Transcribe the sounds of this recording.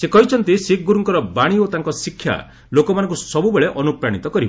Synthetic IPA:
sekɔɦit͡ʃʰɔnt̪isik̚ɡuɾuŋkɔɾɔbaɽ̃iot̪aŋkɔsikʰːja̰ | lokɔmanɔŋkusɔbubeɭeʔɔnupɾaɽ̃it̪ɔkɔɾibɔ

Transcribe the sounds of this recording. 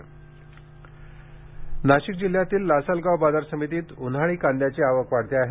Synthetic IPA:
naɕik̚d͡ʑil̤jat̪iːlːasalɡaʋbad͡z̪aɾsəmit̪iːt̪unɦaɭ̃iːkand̪jat͡ɕeaʋəkʋaɽt̪eaɦe

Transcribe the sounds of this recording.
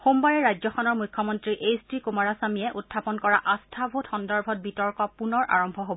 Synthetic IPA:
xombaɹɛɹajd͡ʑzɔxʰɔnɔɹmujkʰːɔmɔntɹiʔejstɹikumaɹasamijɛʔutʰːapɔnkɔɹaʔastʰabʱutxɔndɔɹbʱɔt̚bitɔɹkɔpunɔɹʔa̰ɹɔmbʱɔɦobɔɔ

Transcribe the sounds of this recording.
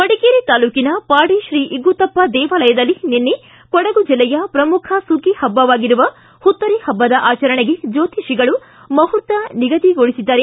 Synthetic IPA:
pɐɽikiːɾit̪aːluːkinɐpaːɽiʃɾiːʔiɡut̪ɐpːɐd̪ɛːʋɐlɐjɐd̪ɐlːininːi | kɔɽɐɡud͡ʒilːɛjɐpɾɐmukʰɐsukihɐbːɐʋaːɡiɾuʋɐ | hut̪ːɐɾihɐbːɐd̪ɐʔaːt͡ʃɐɾɐɳeɡe̞d͡ʒoːt̪iʃiɡɐɭu | mɐɦuɾt̪ɐniɡɐd̪iɡoɭisid̪ːaːɾe

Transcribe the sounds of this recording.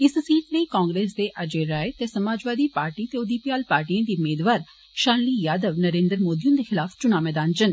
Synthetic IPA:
ɪssiːʈneiːkãːŋɡɾeːsd̪eːʔəd͡ʒeɾaːet̪eːsəmaːd͡ʒʋaːd̪iːpaːɾʈiːt̪eːʊd̪iːpijaːlpaːɾʈiãːd̪iːʊmeːd̪ʋaːɾ | ʃaːnliːjaːd̪əʋnəɾẽːnd̪əɾmoːd̪ijʊ̃nd̪eːxɪlaːfʰt͡ʃʊnaːmɛːd̪aːnd͡ʒən

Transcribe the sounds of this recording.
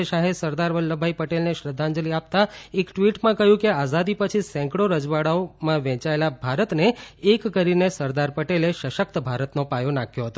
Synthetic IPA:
ʃaɦesəɾd̪aɾʋəlːəbʱaipəʈelneʃɾəd̪ʱːãɲd͡ʒəliap̚t̪aekʈʋiʈmãkəɦjũkeazad̪ipət͡ʃʰisɛ̃ŋkɽoɾəd͡ʒʋaɽaomãʋɛ̃t͡ʃaelabʱaɾət̪neːkːəɾinesəɾd̪aɾpəʈeleʃəʃək̚t̪əbʱaɾət̪nopajonakʰjoɦət̪o

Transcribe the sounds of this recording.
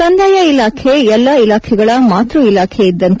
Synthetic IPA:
ɐnd̪ʱɐjɐilaːkʰeɛlːɐilaːkʰɛɡɐɭɐmaːt̪ɾuilaːkʰeid̪ːɐnt̪

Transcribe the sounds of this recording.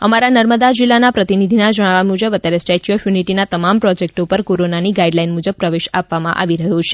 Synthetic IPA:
əmaɾanəɾməd̪ad͡ʒilːanapɾət̪inid̪ʱinad͡ʒəɽ̃ʋamud͡ʒəbət̪jaɾesʈɛt͡ʃijofjuniʈinat̪əmampɾɔd͡ʒek̚ʈopəɾkoɾonaniɡaiɖlainmud͡ʒəb̚pɾəʋeʃapʋamã̰ʔa̰ʋiɾəɦũt͡ʃʰe̥

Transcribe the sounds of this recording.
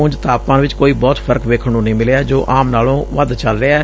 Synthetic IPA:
ʊ̃ɲd͡ʒt̪aːpãːnʋɪt͡ʃkoːiːbɔːt̪pʰəɾkʋeːkʰəɽũːnəĩːmɪleːd͡ʒoːʔaːmnaːlõːʋəd̪t͡ʃəlɾəɛː

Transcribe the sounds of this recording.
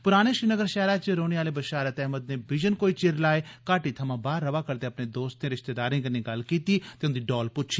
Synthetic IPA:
pʊɾaːñeːʃɾiːnəɡəɾʃɛːɾaːt͡ʃɾoːñeaːleːbəʃaːɾət̪ɛːməd̪neːbɪd͡ʒənkoːiːt͡ʃɪɾlaːeːkaːʈiːt̪ʰəmãːbaːɾːəʋaːkəɾd̪eːəpneːd̪oːst̪ẽːɾɪʃt̪eːd̪aːɾĩːɡənĩːɡəlkiːt̪iːt̪eʊnd̪iːɖɔːlpʊtːʃʰiː

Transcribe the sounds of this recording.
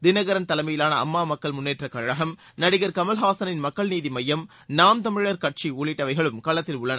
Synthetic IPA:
d̪ɪnɐɣɐɾɐnt̪ɐlɐɪmɐjɪlaːnɐɐ̰mːaːmɐkːɐɭmʊnːeːʈrɐkɐɻɐɦɐm | nɐɽɪɣɐɾkɐmɐlɦaːsɐnɪnmɐkːɐɭniːðimɐjːɐm | naːmt̪ɐmɪɻɐɾkɐʈ̚t͡ʃiuːɭɪʈːɐʋɐɪɣɐɭɯmkɐɭɐt̪ːɪlʊɭːɐnɐ

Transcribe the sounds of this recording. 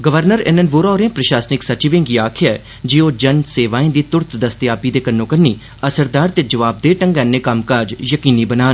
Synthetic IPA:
ɡəʋəɾnəɾɪ̰nənʋoːɾɔːɾẽːpɾəʃaːsnɪksət͡ʃɪʋẽːŋɡiːaːkʰjaːɛ | d͡ʒiːoːd͡ʒənseːʋaːĩːd̪iːt̪ʊɾt̪d̪əst̪jaːpiːd̪eːkənːõːkənːiː | əsəɾd̪aːɾt̪eːd͡ʒəʋaːb̚d̪eːʈəŋɡɛːnːẽːkəmkaːd͡ʒjəkiːniːbənaːn

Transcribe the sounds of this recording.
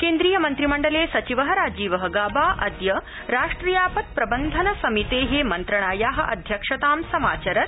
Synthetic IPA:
keːnd̪ɾiːjɐmɐnt̪ɾimɐɳɖɐleːsɐt͡ʃiʋɐɦɐɾaːd͡ʒiːʋɐɦɐɡaːbaːʔɐd̪jɐ | ɾaːʂʈɾiːjaːpɐt̪̚pɾɐbɐnd̪ʱɐnɐsɐmit̪eːɦemɐnt̪ɾɐɳaːjaːɦɐ̆ʔɐ̰d̪ʱjɐkʂɐt̪aːmsɐma̰ːt͡ʃɐɾɐt̪

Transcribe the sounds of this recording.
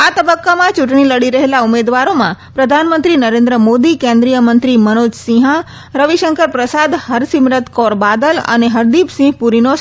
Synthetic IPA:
at̪əbəkːamãt͡ʃũʈɳiləɽiɾəɦelaumed̪ʋaɾomãpɾəd̪ʱanmənt̪ɾinəɾẽnd̪ɾəmod̪ikẽnd̪ɾijəmənt̪ɾimənod͡ʒsĩɦã | ɾəʋiʃəŋkəɾpɾəsad̪həɾsimɾət̪kɔɾbad̪ələ̰neɦəɾd̪ipsĩɦpuɾino

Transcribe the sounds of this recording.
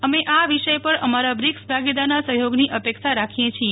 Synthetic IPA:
əmeʔaʋiʃəjpəɾəmaɾabɾiksbʱaɡid̪anasəɦjoɡniʔəpekʃaɾakʰijet͡ʃʰie

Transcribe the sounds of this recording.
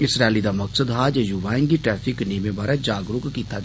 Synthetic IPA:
ɪsɾaːɪlid̪amɐksəd̪ɦaːd͡ʒajuʋaːɪŋɡiʈɾɛːfʰikneːmebaːɾɛd͡ʒaːɡɾʊkkit̪ʰːa

